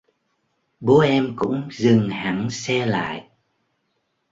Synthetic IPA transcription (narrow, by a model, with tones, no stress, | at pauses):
ɓo˨˦ʔɛ˧mkʊ̰˧˥ŋ͡mzɨ˨˩ŋha˨˩ŋsɛ˧la̰ː˧˨jʔ